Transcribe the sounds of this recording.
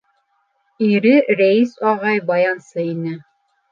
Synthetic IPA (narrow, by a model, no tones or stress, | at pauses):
iɾɘɾæisɑʁɑjbɑjɑnsɤinɘ